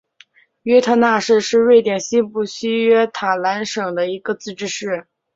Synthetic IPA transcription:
ɥɛ˥t̪ʰɤ˥na˥˧ʂɻ̩˥˧ʂɻ̩˥˧we˥˩ɪt̪jɛ˨˩nɕi˥pu˥˩ɕi˥ɥɛ˥t̪ʰa˨˩la˧˥nʂɤ˨˩ŋd̪ə˦i˧˥ɡə˧t͡sɹ̩˥˩˧ʈ͡ʂɻ̩˥˧ʂɻ̩˥˩

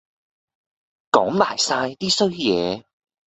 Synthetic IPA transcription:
kɔː˨˥ŋmaː˨˩jsaː˧jt̪iː˥sɵ˥ɥjɛː˨˧

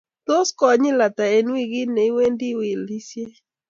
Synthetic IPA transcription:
t̪o˦skɔ˨˦ɲɪ˦la˨t̪a˨e˨nwi˦ɣi˦ne˨i˦we˦ndi˦wɪ˨li˦sje˦

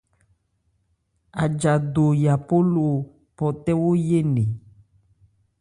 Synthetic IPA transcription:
a˨d͡ʒa˨do˨ja˨po˦lo˨ | pɔ˨t̪ɛ˦wo˦je˦nẽ˨

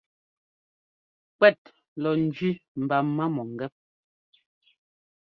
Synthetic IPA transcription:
kwɛ˦˨t̚ | lɔ˨n̩˨d͡ʒɥi˦m̩˨ba˨mːa˦mɔ˨ŋ̩˨ɡɛ˦p̚

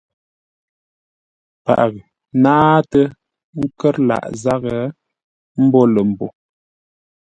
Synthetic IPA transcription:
pa̰˨ʔɣ | naː˦tə˦ | ŋ̩˦kə˦ɾla̰˨ʔza˦ɣə˨˦ | m̩˦bɔ˦lə˨m̩˨bɔ̰˨

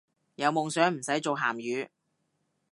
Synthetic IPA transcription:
jɐ˨˧wmʊ˨ŋsœː˨˥ŋm̩˨˩sɐ˨˥jt͡so˨wɦa̰ː˨˩mjyː˨˧

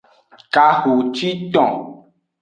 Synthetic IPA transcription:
ka˨xu˨t͡ʃi˦t̪ɔ̃˨

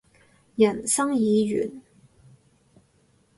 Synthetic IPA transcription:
jɐ˨˩nsɐ˥ŋjiː˨˧ɥy̰ː˨˩n

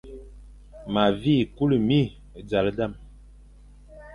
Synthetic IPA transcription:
ma˨vi˦˨ku˦li˨mi˦˨ | d͡za˨lda˦˨m

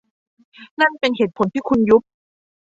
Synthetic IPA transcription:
na˥˩npe˧nɦeː˨˩˦t̪̚pʰo˩˦nt̪ʰiː˥˩kʰu˧nju˦˥p̚

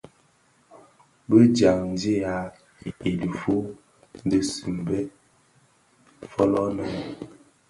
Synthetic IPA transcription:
bə˦d͡ʒa˨ŋn˨di˦ja˨˦ | e˨du˨fu˦ | n˦də˦si˨mbɛ˦ | fɔ˦lɔ˦nə˨˦

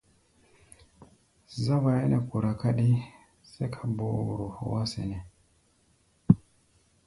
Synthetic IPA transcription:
za˦wa˨je˦ne˨ku˨ɾa˨ka˦ɗi˦ | se˦kʰḁ˨bo˨ɾo˨o̰˨wa˦sḛ˨ne˨

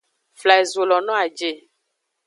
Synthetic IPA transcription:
fla˨e˨zo˨lɔ˨nɔ̃˦a˨d͡ʒe˨

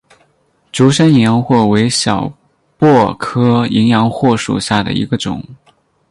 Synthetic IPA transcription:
ʈ͡ʂu˧˥ʂə˥ni˧˥ŋjɑ˧˥ŋxwɔ˥˩we˧˥ɪɕjɑ˨˩ʊ | pwɔ˥˩kʰɤ˥i˧˥ŋjɑ˧˥ŋxwɔ˥˩ʂṵ˨˩ɕja˥˩d̪ə̰˩ḭ˧˥ɡə˧ʈ͡ʂʊ̰˨˩˦ŋ

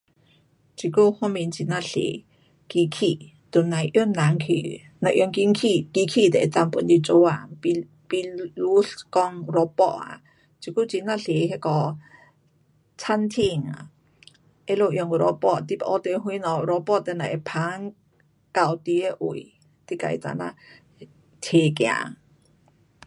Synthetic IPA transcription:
t͡ʃi˧ku˦˧hɔ˦mĩ˧˨nt͡ʃi˧nã˧˨ɬḛ˨ | ki˧kʰi˧˨ | t̪u˧˨nã˨˧jʔjo˦nːã˨ŋkʰi˧˨ | na˧ʔjo˧ŋki˧ŋkʰi˧˨ki˧kʰi˧˨t̪ɛ˨ʔt͡sa˧mpu˧˨nd̪i˧t͡ʃo˧a˧˨˧ | pi˧lu˦ɬkɔ˧ŋ˧ɾɔ˧pɔ̰˧ʔa̰˧˨ | t͡ʃi˧ku˦˨t͡ʃi˧˨nã˧˨ɬe˨ɦe˧kɔ˧˨ | t͡sʰa˧˥nt̪ʰi˧˩ŋa̰˨ | ʔe˦lo˧˨ʔjɔ˧ŋu˧˨ɾɔ˧pɔ˧ʔt̪i˧˨pa˧ʔɔ˧t̪e˧ɦwi˧˦nɔ˧˨˧ɾɔ˧pɔ˥˧ʔt̪ɛ˧˨na˨ʔe˧˩pʰa˧˦ŋ | ka˧˩˨wt̪i˧e˧ʔṵ˨˩˨j | t̪i˧ka̰˧jt͡sa̰˧na̰˧ | t̪ʰe˨˩kja̰˧˨

